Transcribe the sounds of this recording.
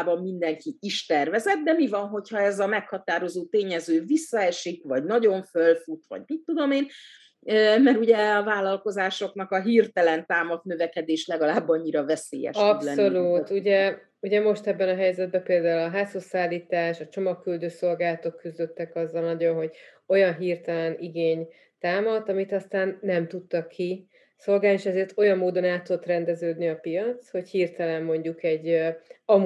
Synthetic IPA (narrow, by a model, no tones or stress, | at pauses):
bɒmːind̪ɛŋkiiʃt̪ɛrvɛzɛt̪̚d̪ɛmivɒnɦo̞chɒɛzɒmɛkhɒt̪aːɾo̞zoːt̪eːɲɛzøːvisːɒɛʃikvɒɟnɒɟo̞ɱfølfut̪ʋɒ̰ɟmit̪ːud̪o̞meːn | ømɛɾuɟɛɒvaːlɒlko̞zaːʃo̞knɒkɒɦirt̪ɛlɛnt̪aːmɒɡ̪nøvɛkɛd̪eːʃlɛɡɒlaːbːɒɲːiɾɒvɛsḛːjɛ̰ʃɒslɛnolut̪uɟɛ | uɟɛmo̞ʃt̪ɛbːɛnɒɦɛjzɛd̪̚bɛpeːld̪aːulɒɦaːsosaːlːiːt̪aːʃɒt͡ʃo̞mɒkːyld̪øːso̞lɡaːlɒt̪o̞kːyzd̪ø̞t̪ːɛkɒzːɒlnɒɟo̞nɦo̞ɟ | o̞jɒnɦiːrt̪ɛlɛniɡeːɲ | t̪aːmɒt̪ɒmit̪ɒst̪aːnːɛmt̪ut̪ːɒkʰːi | so̞lɡaːnieːʃɛzeːrt̪o̞jɒmːoːd̪o̞naːt̪ːud̪ot̪rɛnd̪ɛzøːd̪niɒpijɒt̪sho̞chiːrt̪ɛlɛmːo̞ɲɟukɛɟːɒm